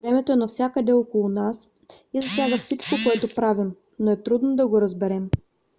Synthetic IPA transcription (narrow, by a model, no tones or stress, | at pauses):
vɾɛmɛt̪oɛnɐfsʲjakəd̪ɛlˠokolˠʊnas | izɐsʲjaɡəfsit͡ʃkokoɛt̪opɾavim | noɛt̪ɾud̪nod̪ɐɡoɾɐzbɛɾɛm